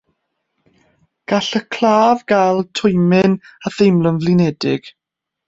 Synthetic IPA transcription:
ɡ̥aɬəkʰl̥ˠaːvɡalˠtʰʊjmɪnaθejmlˠənvlɪnɛdɪɡ̥

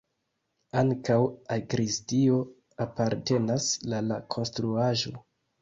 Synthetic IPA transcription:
aŋkawaɡɾistio̞ | apaɾte̞naslalakʰo̞nstɾuaʒo̞

